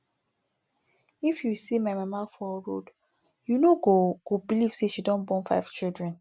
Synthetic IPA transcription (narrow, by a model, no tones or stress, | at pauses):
ifjusimajmãmafɔɹo̰d | junoɡoɡ̥obiliv̥seʃidɔ̃nbɔ̃nfa̰ɪv̥t͡ʃildɹɛ̃n